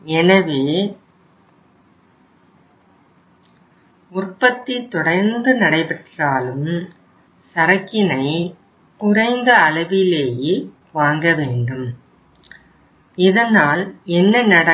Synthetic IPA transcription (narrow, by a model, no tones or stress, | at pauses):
ɛnɐʋeː | ʊrpɐt̪ːit̪ːɔɽɐɾnd̪ɯnɐɽɐɪpɛʈraːlɯm | sɐɾɐkːɪnɐɪ | kʊrɐɪnd̪ɐːlɐʋɪleːjeː | ʋaːŋɡɐʋeːɳɖɯm | ɪðɐnaːlɛnːɐnɐɽɐ